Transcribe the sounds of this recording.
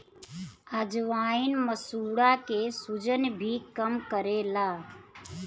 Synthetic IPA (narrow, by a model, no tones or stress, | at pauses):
əd͡ʒʋaːinməsuːɽakesud͡ʒənbʱiːkəmkəɾeːlaː